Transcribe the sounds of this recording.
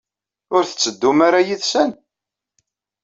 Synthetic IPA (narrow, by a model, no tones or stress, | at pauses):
ʊɾθə̥t͡sːəd̪ːumaɾajiðsæn